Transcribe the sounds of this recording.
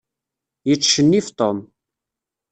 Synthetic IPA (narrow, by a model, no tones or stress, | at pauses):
jət͡sːʃənːift̪ˤom